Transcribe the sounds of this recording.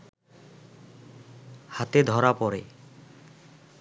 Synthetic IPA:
hat̪ed̪ʱɔɾapɔɾe

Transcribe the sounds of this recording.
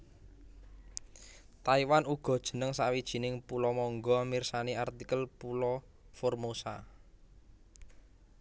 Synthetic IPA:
t̪aiwanuɡ̥ɔ̤d̥ʒ̥ə̤nəŋsaʔwid̥ʒ̥i̤nɪŋpulɔmɔŋɡɔmirsaniart̪ikəlpulɔ | formosa̰

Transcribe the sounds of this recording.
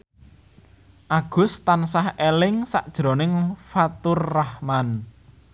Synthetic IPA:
ʔaɡ̥ʊ̤st̪ansahelɪŋsa̰ʔd̥ʒ̥ɾo̤nɪŋfat̪ʊrːahman

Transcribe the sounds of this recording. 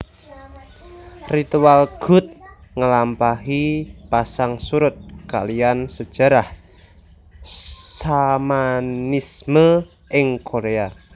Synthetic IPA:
rit̪ualɡ̥ʊ̤t̪̚ŋəlampaɦipasaŋsuɾʊt̪̚ka̰liansəd̥ʒ̥a̤ɾah | samanismə | ʔɪŋkʰoɾea

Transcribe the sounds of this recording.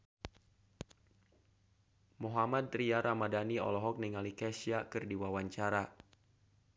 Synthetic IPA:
moɦamad̚riaɾʔamadaniɔ̰lɔɦɔk̚niŋalikɛsiakɨrdiwawaɲt͡ʃaɾa

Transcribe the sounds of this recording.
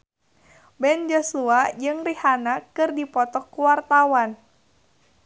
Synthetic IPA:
bɛnd͡ʒɔsuad͡ʒɨŋrihanakɨrdipɔt̪ɔkuwart̪awan

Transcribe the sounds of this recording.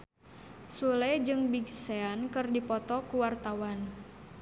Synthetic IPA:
sulɛd͡ʒɨŋbiɡseankɨrdipɔt̪ɔkuwart̪awan

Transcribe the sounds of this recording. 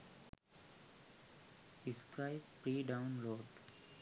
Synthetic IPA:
ɪskaɪppɾiːɖaʊ̃nloːɖ

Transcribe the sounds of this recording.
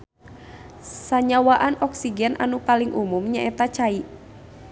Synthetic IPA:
saɲawaʔanɔksiɡɛnʔa̰nupaliŋʔumumɲaʔɛt̪at͡ʃaiʔ

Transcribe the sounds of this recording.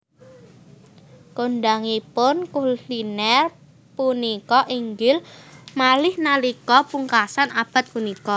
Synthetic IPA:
koɳɖaŋipʊnkulinɛr | punikɔʔiŋɡɪlmalɪhnalikɔpuŋkasanab̥a̤t̪̚punikɔ

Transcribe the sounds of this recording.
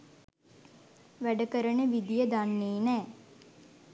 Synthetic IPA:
ʋæɖəkəɾəɳəʋid̪ijəd̪anːeːnɛː

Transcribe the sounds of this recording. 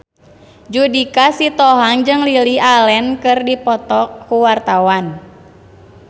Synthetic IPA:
d͡ʒudikasit̪ɔɦaŋd͡ʒɨŋlilialɛnkɨrdipɔt̪ɔkkuwart̪awan

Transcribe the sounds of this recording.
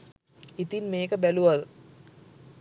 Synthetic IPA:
it̪inmeːkəbæluʋad

